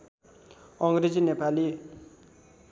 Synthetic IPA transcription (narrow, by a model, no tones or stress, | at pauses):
ɑŋɡɾed͡ʑinepali